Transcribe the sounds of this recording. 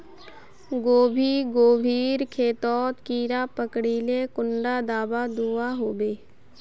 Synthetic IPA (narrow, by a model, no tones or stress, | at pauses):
ɡoːbʱiːɡoːbʱiːɾkʰeːt̪ɔːt̪kiːɾapəkɽiːlekʊɳɖad̪aːbad̪uaɦoːbeː